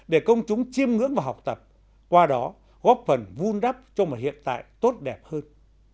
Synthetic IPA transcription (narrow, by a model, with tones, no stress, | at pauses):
ɗe˧˩kə˧wŋ͡mt͡ɕʊ˨˦ŋ͡mt͡ɕi˧əmŋɨ̰˧˥ŋvaː˨˩ɦa˨˩wk͡p̚t̪ə˨˩p̚ | kwaː˧ɗɔ˨˦ | ɣɔ˦˥p̚fə˨˧˩nvu˧nɗa˦˥p̚t͡ɕɔ˧mo˨˩t̚hḭ˧˨ənt̪a̰ː˧˨jt̪o˦˥t̚ɗɛ˨˩p̚həː˧n